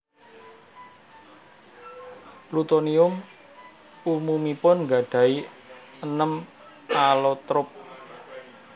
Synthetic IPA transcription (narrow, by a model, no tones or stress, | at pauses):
plut̪oniʊm | umumipʊnŋɡa̤ɖ̥ä̤i | ənəm | alot̪ɾʊp̚